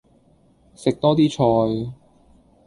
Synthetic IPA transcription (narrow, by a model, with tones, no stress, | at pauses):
sɪ˨k̚t̪ɔː˥t̪iː˥t͡ʃʰɔː˧j